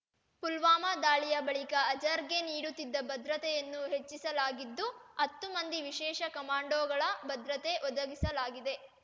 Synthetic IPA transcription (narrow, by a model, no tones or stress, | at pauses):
pulʋaːmɐd̪aːɭijɐbɐɭikɐːd͡ʒɐɾɡe̞niːɽut̪ːid̪ːɐbɐd̪ɾɐt̪ɛjɐnːuɦet͡ʃːisɐlaːɡid̪ːuɐt̪ːumɐnd̪iʋiʃɛːʃɐkɐmaːɳɖoːɡɐɭɐbɐd̪ɾɐt̪e̞ʔɔd̪ɐɡisɐlaːɡid̪e̞